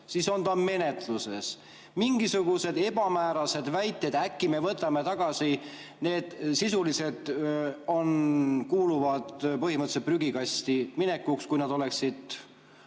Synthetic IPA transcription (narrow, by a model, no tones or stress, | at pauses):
siso̞nt̪ɑme̞ne̞t̪luse̞s | miŋɡisuɡ̥use̞d̪e̞bɑmæːɾɑse̞d̪̥væjt̪ːˑe̞d̪̥ækːime̞vɤt̪ːˑɑme̞t̪ɑɡ̥ɑsi | ne̞ːd̪̥sisulise̞d̪̥o̞nkuːluvɑd̪̥pɤhiməɤt̪ːset̪̚pryɡikɑst̪imine̞kːˑukskujnɑd̪̥o̞le̞ksid̪̥